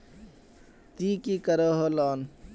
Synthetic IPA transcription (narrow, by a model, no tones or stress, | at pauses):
t̪ikikəɾɔɦolɔːn